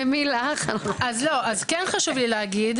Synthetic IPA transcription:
emilaχanazlo̞ʔazkɛnχaʃuvlileaɡid̪

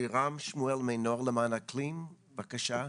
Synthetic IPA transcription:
iʁamʃmuɛlmejnoʁləmaːnaklim | bakaʃa

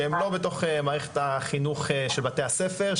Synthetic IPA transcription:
emlo̞beto̞χemaːʁeχe̥t̪haχinuχʃelbatehasefe̞ʁ

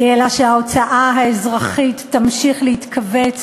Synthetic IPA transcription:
ʔelaʃeao̞t͡saʔaɦaezʁaχitːamʃiχleit̪kʰavet͡s

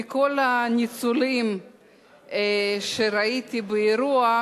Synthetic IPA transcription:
ikolanit͡sulim | ʃeɾait̪ibeeɾua

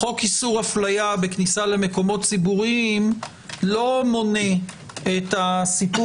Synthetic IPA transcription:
χo̞kisuʁaflajabe̞knisale̞me̞ko̞mo̞tt͡sibuʁiim | lo̞mo̞ne | etasipu

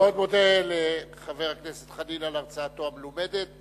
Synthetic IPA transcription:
od̪modeleχave̞ʁakneset̪χalilalaʁt͡saːt̪oamelomed̪et̪̚

